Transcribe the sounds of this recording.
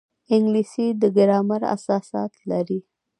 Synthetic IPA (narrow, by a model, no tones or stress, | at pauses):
ɪŋɡlisid̪əɡaɾɑmaɾa̰sɑsɑ̰t̪laɾi